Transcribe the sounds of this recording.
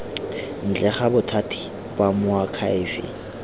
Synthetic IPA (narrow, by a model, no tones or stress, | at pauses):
n̩t͡ɬɛχabʊtʰatʰi̥ | bwamʊakʰaɪːfɪ̰